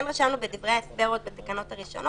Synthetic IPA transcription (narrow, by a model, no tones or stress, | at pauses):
emʁaʃamnubed̪ivʁeaesbeʁot̪̚bet̪akano̞t̪haʁiʃo̞̰no